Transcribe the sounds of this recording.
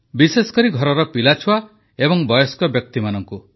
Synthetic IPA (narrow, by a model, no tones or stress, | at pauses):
bisesɔ̥kɔɾiɡʱɔɾɔɾɔpilat͡ʃʰuwa | ebɔŋbɔjɔskɔbjɔk̚t̪imanɔŋku